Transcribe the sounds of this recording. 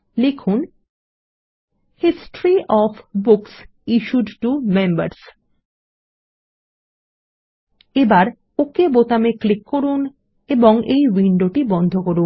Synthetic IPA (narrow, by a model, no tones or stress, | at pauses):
likʰun | hisʈɾiʔɔfbuks | iʃuɖʈumemba̰ɾs | ebaɾ | okebot̪ameklikːoɾun | eboŋejwiɳɖoʈibɔnd̪ʱokoɾun